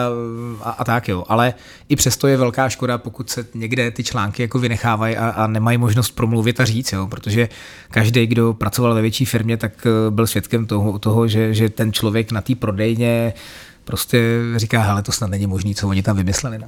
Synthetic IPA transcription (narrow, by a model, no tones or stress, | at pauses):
ʔaʔat̪akjoʔalɛ | ʔɪpr̝̥ɛst̪o̞jɛvɛlkaːʃko̞dapokucsɛɲɛɡdɛt̪ɪt͡ʃlaːŋkɪjako̞vɪnɛxaːvajʔaʔanɛmajmoʒnost̪̚pɾo̞mluvɪt̪ariːt͡sjo̞pɾot̪o̞ʒɛ | kaʒdɛjɡdo̞pɾat͡so̞valvɛvjɛt͡ʃiːfɪɾmɲɛt̪akbɪlsvjɛt̪kɛmt̪oɦt̪oɦoʒɛʒɛt̪ɛnt͡ʃlovjɛknat̪iːpɾo̞dɛjɲɛ | pɾo̞scɛrikaːɦɛlɛt̪osnat̪nɛɲɪmo̞ʒniːt͡sovoɲɪt̪amvɪmɪslɛlɪna